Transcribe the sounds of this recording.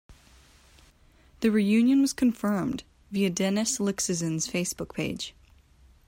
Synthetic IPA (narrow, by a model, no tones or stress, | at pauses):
ðɨɹijʉ̃njɨ̃nwʌz̥kʰɨ̃ɱfɜ̃˞md | viɨdɛnɨslɪksɨzɨ̃nz̥feɪsb̥ʊk̚pʰeɪd̥ʒ̥